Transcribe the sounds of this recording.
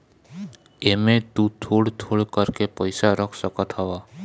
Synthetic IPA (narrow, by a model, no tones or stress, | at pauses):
emẽt̪ut̪ʰoɽt̪ʰoɽkəɾkepəjsaɾəkʰsəkət̪ɦəʋa